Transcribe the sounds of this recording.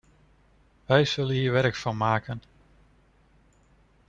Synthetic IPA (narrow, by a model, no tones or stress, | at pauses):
ʋɛjz̥ɵlənɦiːɹʋɛɾkfɑnmaːkən